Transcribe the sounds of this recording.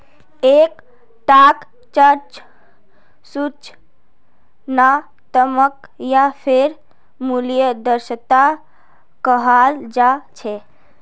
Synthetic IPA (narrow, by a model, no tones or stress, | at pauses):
ek | ʈak | t͡ʃəɾt͡ʃ | sut͡ʃ | na | t̪əmək | japʰeɾ | mulijəd̪əɾsət̪a | kəɦald͡ʒat͡ʃʰɛ